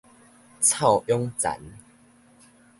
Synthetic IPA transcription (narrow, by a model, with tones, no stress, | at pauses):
t͡sʰa˥˨ʊjɔ˦ŋt͡sa̰˨˦n